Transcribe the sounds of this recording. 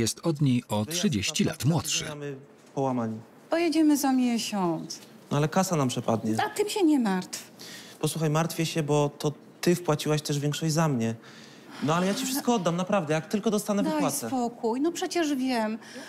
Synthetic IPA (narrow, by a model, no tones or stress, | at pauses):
jɛst̪ɔd̪ɲejɔttʂɨd͡ʑeɕt͡ɕila̰t̪mwɔt̪ʂɛ̰amɘ | pɔwamaɲi | pɔjɛd͡ʑɛmɘzamʲjɛɕɔnt̪s | nɔ̰alɛkasanampʂɛpa̰d̪ɲɛat̪ɘmɕɛɲɛmaɾt̪fpɔswuxajmaɾt̪fʲjɛɕɛbɔt̪ɔ | t̪ɘfpwat͡ɕiwaɕt̪ɛʐvʲjɛŋkʂɔd͡ʑzamɲɛ | nɔalɛjat͡ɕifʂɘst̪kɔɔd̪ːamnapɾavd̪ɛjak̚t̪ɘlkɔd̪ɔst̪anɛvawat̪sɛpɔkujnɔpʂɛt͡ɕɛʐvʲjɛm